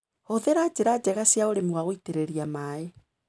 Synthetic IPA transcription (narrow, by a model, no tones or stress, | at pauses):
hoðeɾad͡ʒeɾad͡ʒɛɣasjaoɾemuwaɣoiteɾeɾiamaːe